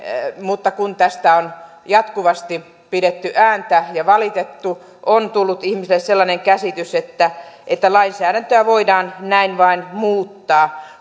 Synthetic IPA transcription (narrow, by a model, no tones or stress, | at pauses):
mut̪ːɑkunt̪æst̪æon | jɑt̪kuʋɑst̪i | pidet̪ːyʔæːnt̪æjɑʋɑlit̪et̪ːu | ʔont̪ulːut̪ihmisilːesselːɑneŋkæsit̪yset̪ːæʔet̪ːælɑinsæːɾænt̪øæʋoidɑːnnæinʋɑinmuːt̪ːɑː